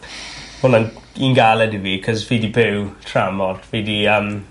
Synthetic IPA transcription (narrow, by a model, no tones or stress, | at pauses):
hʊnaniːnɡalɛdɪwikʰɔzviːdibɪwtʰramɔrdv̥eːdiəm